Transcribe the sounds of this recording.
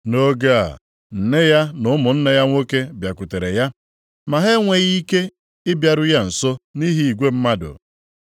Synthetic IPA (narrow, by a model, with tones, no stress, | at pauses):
no˦ɡa̰˦˨ | n̩˨ne˦ja˦nʊ˦mʊ˨n̩˦ne˦ja˦ŋʷo˦ke˦bja˨ku˨te˨ɾe˨ja˦ | ma˨ɦe˦ŋʷe˨ɣi˦ke˦ | ɪ˦bja˨ɾʊ˦ja˦n̩˨so˦ni˦ɦi˦i˨ɡʷe˦m̩˦ma˦dʊ̰˨